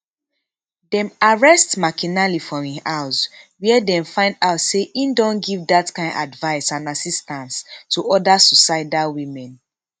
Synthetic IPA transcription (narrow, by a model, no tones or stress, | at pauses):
dɛ̃maɹɛstmakinalifɔĩhaʊswɛɛdɛ̃mfãɪ̃ndaʊtseʔĩndɔ̃nɡivdatkãɪ̃na̰dvaɪsãnasistãnstʰuʔɔdasusaɪdalwimɛ̃n